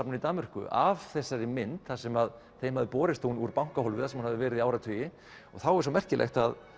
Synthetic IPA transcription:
pnʏnit̪aːmʏr̥kʏ̰ʔavθɛsːaɾɪmɪnt̪θasɛmað | θejmhaðɪpɔːɾɪst̪uwnuɾpawŋ̥kaɦɔlvɪθasɛmhanaðɪvɛːɾɪðiaːwɾat̪ʰʏjɪ | ɔ̰ɣθawɛɾsowmɛr̥cɪlʔḛxt̪að

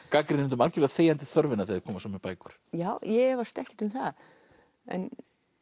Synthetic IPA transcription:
kaːkɾɪnɪnt̪ʏmalcɪlɛɣaθeːjant̪ɪθœɾvɪnaðθeːðɪ̥kʰɔːmasamːɛpaːjkʏɾ̥jaːwjɛɛvast̪ɛhcɪ̥t̪ʏmθað | ɛ̰n

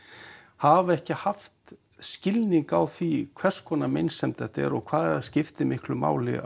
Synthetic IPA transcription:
havɛhcɪhaft̪ | scɪlniŋkawθvikʰvɛr̥skʰɔnamejnsɛmt̪ʰɛht̪ɛ̰ɾɔɣkʰvaːðscɪft̪ɪmɪhklʏma̰ːwlɪ̰

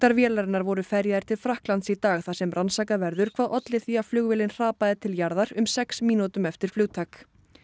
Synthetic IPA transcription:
t̪aɾvjɛːlaɾɪnaɾvɔɾʏfɛɾjaðɪɾ̥t̪ʰɪlfɾahklant̪sit̪aːɣθasɛmɾrʔansaːkavɛɾðʏɾ̥kʰvaːðʔɔt̪lɪθiavflʏɣvɪlɪnr̥aːpaðɪt̪ʰɪljaɾðaɾʏmsɛksmiːnut̪ʏmɛft̪ɪɾ̥flʏːt̪ʰaːk

